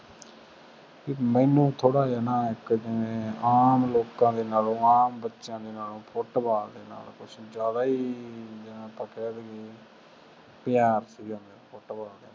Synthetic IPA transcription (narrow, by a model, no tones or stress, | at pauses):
kimɛːnũːt̪ʰoːɽaːaːnãːɪkd͡ʒɪnẽːaːmloːkãːd̪eːnaːlõːaːmbətːʃjãːd̪eːnaːlõːpʰʊʈbaːld̪eːna̰ːlkʊt͡ʃʰd͡ʒjaːd̪aːiːd͡ʒənãːpəkɛːd̪ieː | pɪjaːɾsiːɦõːnd̪eːpʰʊʈbaːld̪eːnː